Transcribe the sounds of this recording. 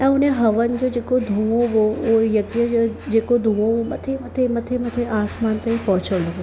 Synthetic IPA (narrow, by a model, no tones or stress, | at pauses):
ɛ̃ʊnẽɦɐʋənd͡ʒod͡ʒeːkod̪ʱũʋõʋoʋojɐɡjəd͡ʒod͡ʒeːkod̪ʱũːõʋomɐt̪ʰemɐt̪ʰemɐt̪ʰemɐt̪ʰeaːsmaːnt̪ɐĩpɔɦʊt͡ʃʰəɽloʋo